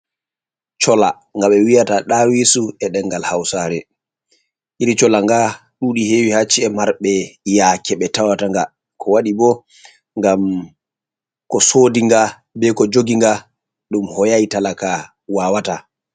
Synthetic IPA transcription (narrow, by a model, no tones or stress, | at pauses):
t͡ʃɔla | ŋɡaɓɛwijataɗawisuɛɗɛŋɡalhawsaɾɛ | ʔiɾit͡ʃɔlaŋɡa | ɗuɗihewihat͡ʃːiɛmaɾɓɛjakɛɓɛtawataŋɡa | kʰɔwaɗibɔ | ŋɡam | kɔsodiŋɡa | bɛkɔd͡ʒoɡiŋɡa | ɗumhɔjajtalaka | waːwata